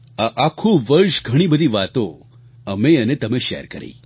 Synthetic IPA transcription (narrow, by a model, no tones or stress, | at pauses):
aʔakʰũʋəɾʃɡʱəɽ̃ibəd̪ʱiʋat̪õ | əmeənet̪əmeʃɛ̰ɾkəɾḭː